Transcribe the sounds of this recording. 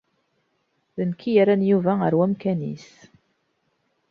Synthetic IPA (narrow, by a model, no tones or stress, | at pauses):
ðənkʰːijaɾænjuvæəɾwæmkænḭs